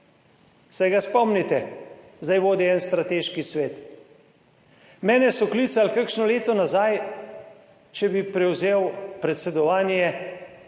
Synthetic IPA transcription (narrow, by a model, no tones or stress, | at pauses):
sɛjɡaspɔmnit̪ɛ | zd̪ajʋoːd̪iɛnst̪ɾat̪eːʃkisʋeːt̪ | mɛːnɛsɔkliːt̪salkakʃnɔleːt̪ɔnazaj | t͡ʃɛbipɾɛwzeːwpɾɛt̪sɛd̪ɔʋaːnjɛ